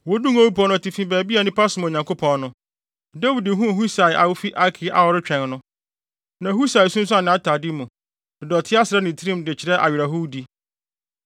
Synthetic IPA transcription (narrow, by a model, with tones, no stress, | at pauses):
wɔ˦dũ˦ŋo˦wu˦pʰɔ̃˦nʊ̃˦a˨ti˨fĩ˦bæː˨bi˦a˨nɪ̃˦pʰa˦sʊ̃˨˦m˨o˨ɲã˨ŋkʰo˦pʰɔ̃˨nnʊ̃˦ | da˦wi˨di˨˦ɦũ˦˨hu˦sa˨ɪ˨ʔa˨wʊ˦fi˦ʔa˦kʰɪ˨˦ʔa̰˨wɔ˨ɾɪ˦t͡ɕᶣɛ̃˨nnʊ̃˦ | nã˨˦hu˦sa˨ɪ˨sũ˦n̩˦s̬ʊ˦a˨nɪ̃˨a˦tʰa˨dɪ˦mũ˨ | d̥ɪ˨dɔ˨tʰɪ˦a˦sɪɾɛ˦nɪ̃˨tʰɾĩ˦mdɪ˨t͡ɕʰɪ˨ɾɛ˦ʔa̰˨ɥɪ˨ɾa˨ɦu˦di˦